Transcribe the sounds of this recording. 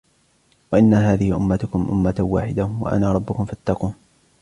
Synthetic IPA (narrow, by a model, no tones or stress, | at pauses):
waʔɪnːaɦaːðɪhɪʔʊmːat̪ʊkʊmʔʊ̰mːat̪awa̰ːħɪd̪awa̰ʔa̰naːɾˤɑbːʊkʊmfat̪ːɑquːn